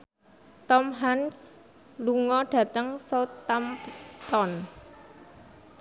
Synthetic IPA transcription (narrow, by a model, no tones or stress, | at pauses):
t̪ɔmɦans | luŋɔɖ̥ä̤t̪əŋsot̪ampt̪ɔn